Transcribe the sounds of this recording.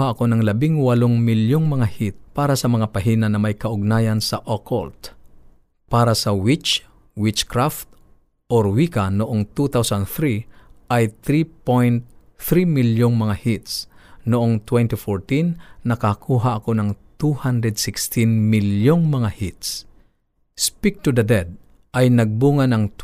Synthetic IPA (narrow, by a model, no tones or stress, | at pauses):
haʔɐkonɐŋlɐbɪŋwɐloŋmɪljoŋmɐŋahit̪̚paːɾasɐmɐŋapɐɦinanːɐmɐjkɐʔʊɡ̚naːjɐnsɐʔokolt̪ | paːɾasɐwɪt͡ʃ | wɪt͡ʃkɾaft̪̚ | ʔoɾwikanʊʔoŋt̪ut̪awsand̪θɾiʔajt̪ɾipojnt̪̚ | θɾimiljʊŋmɐŋahit̪snʊʔoŋt̪wɛnt̪ɪfɔɹt̪inːɐkakʰuːɦaʔɐkonɐŋt̪uhand̪ɾɛd̪sɪkst̪inmiljoŋmɐŋahit̪s | spik̚t̪ud̪ɐd̪ɛd̪̚ | ʔɐjnɐɡ̚buːŋanɐŋt̪